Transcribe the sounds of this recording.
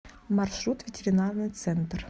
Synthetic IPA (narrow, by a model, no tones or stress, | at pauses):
marʃɾut̪vʲɪtʲeɾʲinarnɨjt̪sɛnt̪r